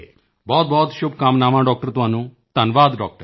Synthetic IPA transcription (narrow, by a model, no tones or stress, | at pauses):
bɔːt̪̚bʱɔːt̪ʃʊbʱkaːmnaːmãɖɔːk̚ʈəɾt̪uɦãːnũ | t̪ɐnʋaːd̪ɖɔ̰ːk̚ʈəɾ